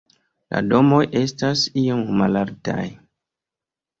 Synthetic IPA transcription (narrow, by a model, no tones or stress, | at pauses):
la̰do̞mo̞jʔe̞stasiomːalaɾta̰j